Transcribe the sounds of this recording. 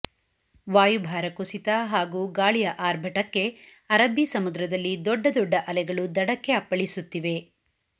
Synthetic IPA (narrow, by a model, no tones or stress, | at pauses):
ʋaːjubʱaːɾɐkusit̪ɐɦaːɡuːɡaːɭijɐʔaːɾbʱɐʈɐkːe̞ | ɐɾɐbisɐmud̪ɾɐd̪ɐlːid̪ɔɖːɐd̪ɔɖːɐʔɐlɛɡɐɭud̪ɐɽɐkːeɐpːɐɭisut̪ːiʋe̞